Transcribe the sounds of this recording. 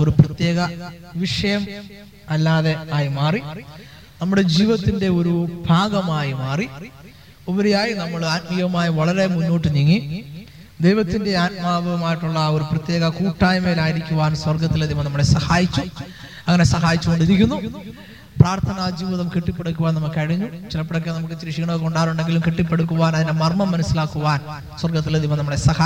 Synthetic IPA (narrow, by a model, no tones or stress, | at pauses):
o̞ɾuprɐt̪jeːɣɐ | ʋiʂɐjɐm | ɐlːaːðe̞aːjimaːri | nɐmːuɽe̞d͡ʑiːʋɐt̪ːinde̞oɾubʱaːɡɐmaːjimaːri | oʋɐɾejaːjinɐmːɐɭatmijɐɐmaːjɐʋɐɭɐɾe̞munːo̞ːʈːɨniŋːi | d̪ejʋɐt̪ːinde̞aːt̚maːʋɐʋɐmaːjiʈːuɭːɐo̞ɾuprɐt̪je̞ːɡɐkuːʈːaːjmeːlaːjiɾikʲːuʋaːnswɐrɡɐt̪ːileðiʋɐmnɐmːɐɭesɐhaːjit͡ɕːu | ɐŋːɐnesɐɦaːjit͡ɕːuɣoɳɖiɾikʲːunːu | praːrt̪ʰɐnaːd͡ʑiːʋɐðɐmkiʈːipːe̞ɽukʲːuʋaːnɐmukːɨkɐɻiɲːut͡ɕilɐpːeɽokːenɐmukːɨt͡ɕɾiʂiɣɐɳokoɳɖaːɾuɳɖe̞ŋɡilumkiʈːipːe̞ɽukːuʋaːnɐðinde̞mɐrmɐmːɐnɐsːilaːkːuʋaːn | swɐrɡɐt̪̬ːilɐðiʋɐmnɐmːɐɭesɐha